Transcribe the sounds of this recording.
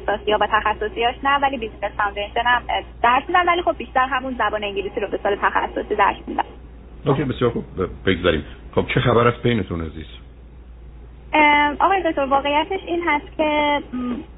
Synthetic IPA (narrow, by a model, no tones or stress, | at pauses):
sɒːsijɒːvæt̪ʰæxæsːo̞siɒːʃnævæliːbizinest̪and̪enʃenæmd̪̥æɾsmund̪ænvæliːxo̞bːiʃt̪æɾɦæmunzæbɒːneiɲɟiliːsiːɾobe̞sɒːlet̪ʰæxæ̰sːosiːd̪æ̰ɾsmṵ̃nd̪æ̰n | oːkʰejbesijɒːɾxub̚beɡzæɾḭːmχob̥̚t͡ʃʰexæbæɾæs̚bejnet̪ʰuneziːs | ʔɒɣɒːjed̪oc̚t̪ʰo̞ɾvɒːɣe̞jæt̪ʰeʃiːnɦæst̪cʰe̞